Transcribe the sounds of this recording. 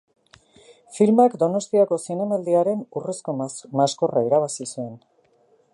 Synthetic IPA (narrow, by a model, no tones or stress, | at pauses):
filmakd̪o̞no̞st̪iako̞sine̞mald̪iaɾe̞nureskomasko̞raiɾaβ̞asisue̞n